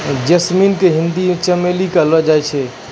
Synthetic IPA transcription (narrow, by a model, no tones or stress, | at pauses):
d͡ʒəsminkeɦĩnd̪imet͡ʃəmelikəlɔd͡ʒajt͡ʃʰɛ